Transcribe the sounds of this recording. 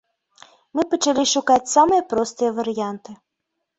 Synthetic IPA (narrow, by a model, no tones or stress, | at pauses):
mɨpət͡ʃalʲiʃukat͡sʲsamɨjɛpɾɔst̪ɨjəvɐɾɨjant̪ɨ